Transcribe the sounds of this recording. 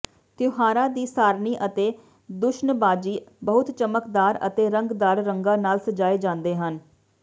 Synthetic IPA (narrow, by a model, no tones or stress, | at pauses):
t̪jʊɦaːɾãːd̪iːsaːɾniːʔət̪eː | d̪ʊʃnbaːd͡ʒiːbəɦʊt̪t͡ʃəməkd̪aːɾə̰t̪eːɾəŋɡd̪aːɾɾəŋɡaːnaːlsəd͡ʒaːeːd͡ʒãːnd̪eːɦən